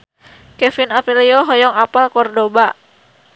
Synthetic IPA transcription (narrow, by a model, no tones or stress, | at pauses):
kɛfinafiliɔɦɔjɔŋapalkɔrdobaʔ